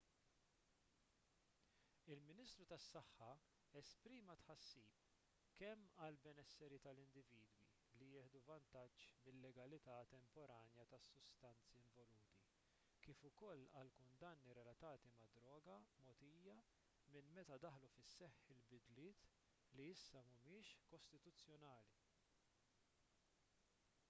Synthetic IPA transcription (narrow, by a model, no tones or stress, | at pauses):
ɪlmɪniːst̪ɾut̪ɐsːɐħːɐ | ɛspɾiːmɐt̪ħɐsːiːp̚ | kɛmːɐlbɛnɛsːɛɾit̪ɐlɪnd̪ɪviːd̪wḭ | lijɪːħd̪uvɐnt̪ɐd͡ʒt͡ʃːmɪlːɛɡɐlɪt̪ɐt̪ɛmpɔɾɐːnjɐt̪ɐsːʊst̪ɐnt͡siɪɱvɔluːt̪i | kiːfʊkɔlːɐlkʊnd̪ɐnːiɾɛlɐt̪ɐːt̪imɐd̪ɾɔːɡɐmɔːt̪iːjjɐ | mɪnmɛt̪ɐd̪ɐħlufɪsːɛħɪlbɪd̪lɪːt̪ | liɪsːɐmʊmɪːʃkɔst̪ɪt̪ʊt͡sːjɔnɐːli